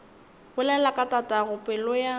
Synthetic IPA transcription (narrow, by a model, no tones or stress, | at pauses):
bʊlɛlakʼatʼatʼaɣʊpʼɪlɔja